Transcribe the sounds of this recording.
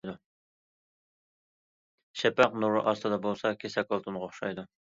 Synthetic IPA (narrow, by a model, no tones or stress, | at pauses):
d̪u | ʃɛpæqnuɾʊʔɑst̪ʰɨd̪ɑbolˠsɑkʲʰesɛkolˠt̪ʰunʁɑoχʃɑjd̪u